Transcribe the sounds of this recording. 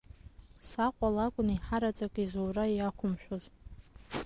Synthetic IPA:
saqʷʼalakʷʼʊniħaɾat͡sʼakʼizowrajakʷʰʊmʃʷᶣoz̥

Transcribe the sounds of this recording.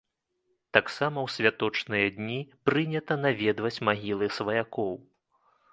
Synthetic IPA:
t̪aksamɐwsʲvʲat̪ɔt͡ʂnɨjɐd̪ʲnʲipɾɨnʲɐt̪ɐnavʲɛd̪vɐt͡sʲmaɣʲilˠɨsvɐjakɔw

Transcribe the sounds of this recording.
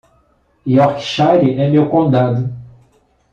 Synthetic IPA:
iɔɾkʃaɾiʔɛmewkõd̪ad̪ʊ

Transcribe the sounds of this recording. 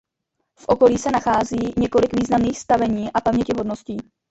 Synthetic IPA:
fʔo̞ko̞liːsɛnaxaːziːɲɛko̞lɪkviːznamniːxst̪avɛɲiːʔapamɲɛcɪɦodno̞sciː

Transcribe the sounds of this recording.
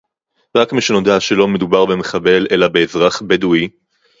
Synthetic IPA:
ʁakmiʃeno̞d̪aʃelo̞me̞d̪ubaʁbemeχabe̞lʔe̞labe̞ːzʁaχbedui

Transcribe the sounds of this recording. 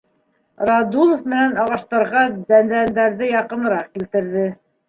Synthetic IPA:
rɑd̪ulˠofmɘ̆nænɑʁɑʃt̪ɑɾʁɑd̪ænd̪ænd̪æɾðɘjɑqɤ̆nɤ̆ɾɑq̚kilt̪ɘ̆ɾðɘ

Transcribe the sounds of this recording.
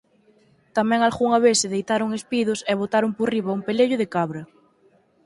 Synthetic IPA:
t̪amɛ̃ŋalɣuŋɐβesɪðejt̪aɾʊŋespiðʊsɛβ̞ot̪aɾʊmporiβɐumpeleʎʊðɪkaβɾɐ

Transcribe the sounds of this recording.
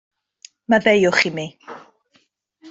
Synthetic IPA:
maðejʊχimi

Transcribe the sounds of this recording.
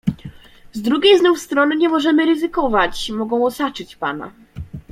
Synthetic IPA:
zd̪ɾuɡʲejznɔwst̪ɾɔnɘɲɛmɔʐɛmɘɾɘzɘkɔvat͡ɕmɔɡɔ̃w̃ɔsat͡ʂɘt͡ɕpa̰na̰

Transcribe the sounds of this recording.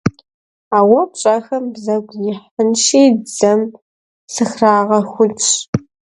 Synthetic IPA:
aːwɐpɕʼɐxɐmbzɐɡʷjɪħənʃiːd͡zɐm | sɨxraːʁɐxʷʊt͡ʃʼ

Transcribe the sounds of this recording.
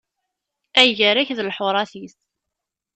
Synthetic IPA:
æjəɾæçðəlħʊɾˤɑθis

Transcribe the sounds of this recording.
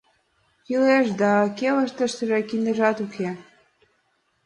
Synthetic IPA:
kileʃd̪ɑkelə̆ʃt̪ə̆ʃsəʒekinə̆ʒɑt̪ukʰe

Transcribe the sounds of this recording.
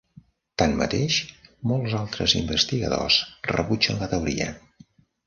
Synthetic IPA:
t̪anmə̰t̪eʃmɔlˠzalˠt̪ɾəzimbəst̪iɣəðo̰srəβud͡ʒənlət̪əuɾiə̰

